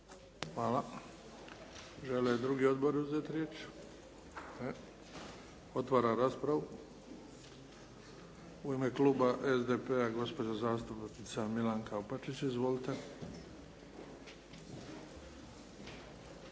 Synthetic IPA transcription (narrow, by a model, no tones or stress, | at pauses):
xʋaːla | ʒeled̪ɾuɡio̞d̪bo̞ɾuzeːt̪ɾjeːt͡ʃ | e | o̞t̪ʋaːɾaɾaːspɾaʋu | uimekluːbaʔezd̪epeaɡo̞spo̞d͡ʑozaːst̪upt̪nit̪samilaŋkaupat͡ʃit͡ʃizʋo̞lit̪e̞